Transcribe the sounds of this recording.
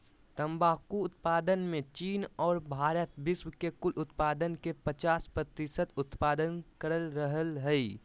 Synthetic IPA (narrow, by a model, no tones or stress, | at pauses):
t̪əmbaːkuʊt̪paːd̪ənmẽt͡ʃiːnɔːɾbʱaːɾət̪bɪswkekʊlʔʊt̪paːd̪ənkepət͡ʃaːspɾət̪ɪsət̪ʊt̪paːd̪ənkəɾəlɾəɦəlɦəi